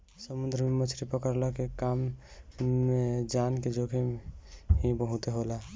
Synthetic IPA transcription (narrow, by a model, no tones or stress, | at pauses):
səmund̪ɾəmemət͡ʃʰɾipəkəɾlakekam | ed͡ʒanked͡ʒoɡʱemɦibəɦũt̪eɦola